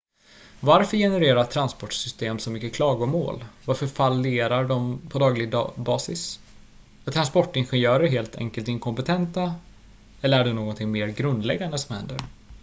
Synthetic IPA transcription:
vaɾfœɾjɛnɛɾeːɾat̪ʰɾanspɔʈsʏst̪eːmsɔmʏkːəkʰlɑːɡɔmo̰ːlvaɾfœɾfalːɪeːɾaɖɔmpʰɔd̪ɑːɡlɪɡ̪bɑːsɪs | at̪ʰɾanspɔʈːɪnɧɛnjœːɾəɦeːlt̪ʰɛ̰ŋkəlt̪ɪŋkʰɔmpɛt̪ʰɛnt̪a | ɛlːəɾæɖɵnoːɡɔnt̪ʰɪŋmeːɾɡɾɵnd̪lɛ̰ɡːand̪əsɔmhɛ̰nd̪ə̰ɾ

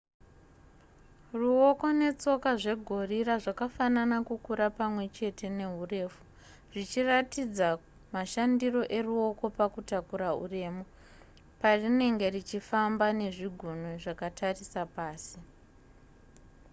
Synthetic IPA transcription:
ruoko̞ne̞t͡so̞kaʐe̞ɡʱo̞riraʐakafananakukuɾapamwe̞t͡ʃe̞te̞ne̞ɦure̞ːfu | ʐit͡ʃiratid͡za | maʃandiro̞ʔe̞ruo̞ko̞pakutakuɾaṵre̞ːmo | parine̞ŋɡe̞rit͡ʃifambane̞ʐiɡʱunoʐakatʰarisapaːsi

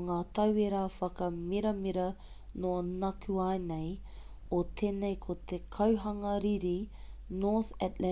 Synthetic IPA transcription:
ŋaːt̪ɐweɾaːfɐkɐmiɾɐmiɾɐ | noɐnɐkʰuaenej | ot̪ʰeːnejkʰot̪ʰekʰɐwɦɐŋɐɾiɾinoːθɛtlɛ

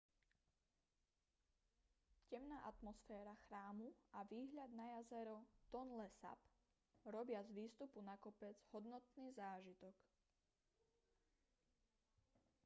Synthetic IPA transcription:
cɛmnaːʔat̪mɔsfɛːɾaxɾaːmuaʋiːɦʎad̪̚najazɛɾɔt̪ɔnlɛsa̰p | ɾɔbɪazʋiːst̪upunakɔpɛd͡zɦɔd̪nɔt̪niːzaːʒit̪ɔk

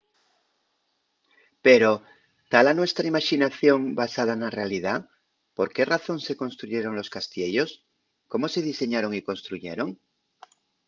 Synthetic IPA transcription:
pe̞ɾo | t̪alanwe̞st̪ɾaimaʃinaθjo̞ŋbasað̞anare̞alið̞a | po̞ɾke̞raθo̞nse̞ko̞nst̪ɾuʝe̞ɾo̞ŋlo̞skast̪je̞ʎo̞s | ko̞mo̞se̞ð̞ise̞ɲaɾo̞ŋiko̞nst̪ɾuʝe̞̰ɾo̞ŋ

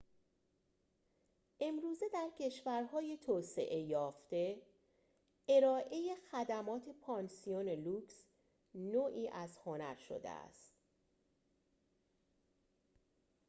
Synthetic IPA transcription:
ʔe̞mɾuːze̞d̪æɾcʰe̞ʃvæɾɦɒːjet̪ʰoːse̞̰ʔe̞jɒːft̪e̞ | eɾɒːʔe̞je̞xæd̪æmɒːt̪ʰe̞pʰɒːnsione̞luːks | noːʔiːʔæzho̞næɾʃo̰d̪ḛæ̰st̪

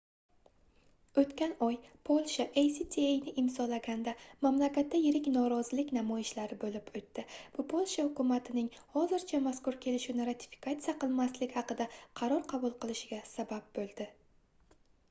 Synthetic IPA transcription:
ɵt̪kʲanɒjpʰolˠʃaʔejsit̪ʰiejnɪʔɪmzɒlaɡʲand̪amamlakʲat̪ːajɪɾɪkʲnɒɾɒzɪlɪkʲnamɒjɪʃlaɾɪbolɪpɵt̪ːɪb̥ʊpʰolˠʃahʊkʰʊmat̪ʰɪnɪŋhɒzɪɾt͡ʃʰamaskʊɾkʲʰe̞lɪʃɪnɪɾat̪ʰɪ̥fi̥kʰat̪sijaqɨlˠmaslɪkʲhɑqɨd̪aqʰɑɾɒɾqʰɑbʊlˠqʰɨlˠɪʃɪɡʲasabap̚bolˠd̪ɪ

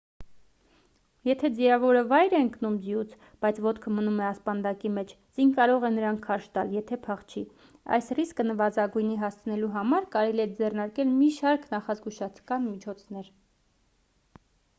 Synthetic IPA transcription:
jɛt̪ʰɛd͡ziɑvɔɾəvɑjɾɛəŋknumd͡zijut͡sʰ | b̥ɑjt͡sʰvɔt̪kʰəmənumɛɑspɑnd̪ɑkimɛt͡ʃʰ | d͡zinkɑɾɔʁɛnəɾɑŋkʰːɑɾʃt̪ɑljɛt̪ʰɛpʰɑχt͡ʃʰi | ɑ̰jsriskənəvɑzɑɡujniɦɑst͡sʰnɛluɦɑmɑɾkɑɾɛliɛd͡zɛrnɑɾkɛlmiʃɑɾknɑχɑzɡuʃɑt͡sʰkɑnmit͡ʃʰɔt͡sʰnɛɾ

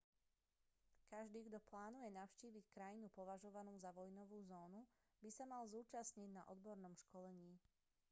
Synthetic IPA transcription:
kaʒd̪iːɡd̪ɔplaːnujɛnaʊʃciːʋickɾajinupɔʋaʒɔʋanuːzaʋɔjnɔʋuːzɔːnu | bisamalzuːt͡ʃasɲiɟna̰ʔɔd̪bɔɾnɔmʃkɔlɛɲiː

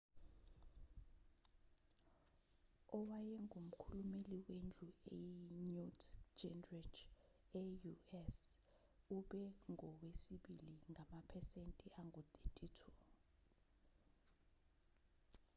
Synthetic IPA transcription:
ɔwajɛŋʱum̩kʰulumeliwend͡ɮʱuejɲutʰd͡ʒɛnrɛd͡ʒ | ɛjuɛs | uɓɛŋʱɔwesiɓiliŋʱamapʰɛsentʼiʔaŋɡʱɔt̪ʰʼetʼitʰu

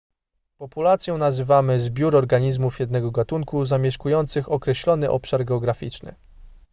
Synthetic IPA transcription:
pɔpulat̪sʲjɔ̃w̃nazɘvamɘzbʲjuɾɔɾɡaɲizmufjɛd̪nɛɡɔɡat̪uŋkuzamʲjɛʂkujɔnt̪sɘxɔkɾɛɕlɔnɘʔɔpʂaɾɡɛɔɡɾafʲḭt͡ʂnɘ̰

